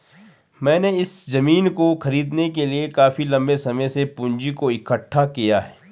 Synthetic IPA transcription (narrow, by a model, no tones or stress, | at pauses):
mɛ̃ːneɪszɐmiːnkoxɐɾiːd̪nekeliekaːfilɐ̃mbesɐməjsepʊ̃ɲd͡ʒikoɪkəʈʰːakijaɦɛː